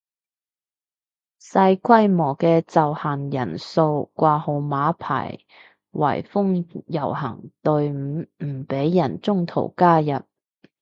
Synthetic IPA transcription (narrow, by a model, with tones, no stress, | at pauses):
sɐ˧jkʷʰɐ˥jmɔː˨˩kɛː˧t͡sɐ˨whaː˨˩njɐ˨˩nso˧wkʷaː˧ho˧wmaː˨˥pʰa̰ː˨˩j | wɐ̰˨˩jfʊ˥ŋjɐ˨˩wɦɐ̰˨˩ŋt̪ɵ˧ɥm̩˨˥m̩˨˩pe˨˥jːɐ˨˩nt͡sʊ˥ŋt̪ʰo̰˨˩wkaː˥jɐ˨t̚